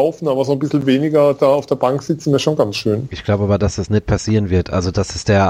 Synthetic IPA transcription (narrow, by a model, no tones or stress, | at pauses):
ʊfn̩aːbɐɐzonbɪsl̩veːnɪɡɐd̥aːaʊfd̥eːɐbaŋkz̥ɪt͡sn̩ɛɐʃoːnɡansʃøːnʔɪçɡ̥laʊbəaːbɐdasd̥asnɛt̚pʰasiːʁənvɪɐtʔa̰lzod̥asɛsd̥eːɐ